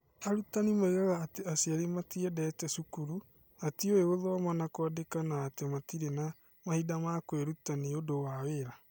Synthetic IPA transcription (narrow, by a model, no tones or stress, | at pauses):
aɾutanimaiɣaɣaːteasiaɾimatiɛdɛtɛsukuɾu | atioeɣoðɔamanakwadekanaːtematiɾena | mahidamakwɛɾutaniodowaweɾa